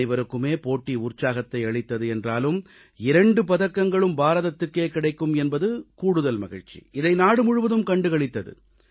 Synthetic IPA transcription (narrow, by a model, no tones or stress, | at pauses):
ɪʋɐɾɯkːɯmeːpoːʈːiʊrt͡ʃaːɣɐt̪ːɐɪɐɭɪt̪ːɐðɯɛndraːlɯm | ɪɾɐɳɖɯpɐðɐkːɐŋɡɐɭɯmbaːɾɐðɐt̪ːɯkːeːkɪɽɐɪkːɯmɛnbɐðɯkuːɽɯðɐlmɐ̰ɣɪ̰ɻt͡ʃḭɪðɐɪnaːɽɯmʊɻɯʋɐðɯmkɐɳɖɯɣɐɭɪt̪ːɐðɯ̰